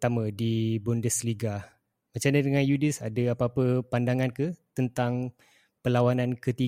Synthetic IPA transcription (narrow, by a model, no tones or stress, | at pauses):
t̪amə̃dibɔndəsliɡa | mat͡ʃamnadəŋanjudɪsa̰dəapaːpəpandaŋankət̪ənt̪aŋ | pəlawanãnkət̪i